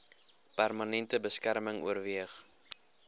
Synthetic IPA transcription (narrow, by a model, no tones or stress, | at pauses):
pærmɐnɛntəbəskærməŋṵərviəχ